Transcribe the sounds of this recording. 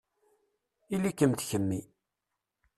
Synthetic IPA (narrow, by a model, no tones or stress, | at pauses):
ilikəmt̪çəmːi